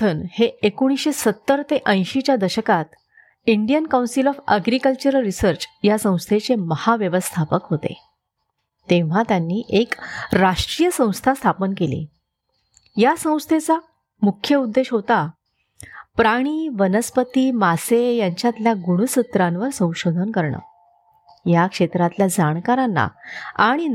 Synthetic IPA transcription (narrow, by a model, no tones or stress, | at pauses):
t̪ʰənheekoɽ̃isɕesət̪ːəɾt̪eʔə̃j̃ɕit͡ɕjad̪əɕəkat̪ | iɳɖijənkawnsilɔfə̰ɡɾikəlt͡ɕəɾəlɾisəɾt͡ɕjasə̃w̃st̪ʰet͡seməhaʋjəʋəst̪ʰapəkɦot̪ḛ | t̪ẽʋ̤at̪janːiːʔekɾaʂʈɾijəsə̃w̃st̪ʰast̪ʰapənkelḭ | jasə̃w̃st̪ʰet͡sa | mukʰjəud̪ːeɕɦot̪a | pɾaɽ̃iːʋənəspət̪imasejaɲt͡ɕjat̪ljaɡuɽ̃usət̪ɾãnʋəɾsə̃w̃ɕod̪ʱənkəɾɳə̰ | jakʂet̪ɾat̪ljad͡zaɽ̃kaɾanːa̰a̰ɽ̃in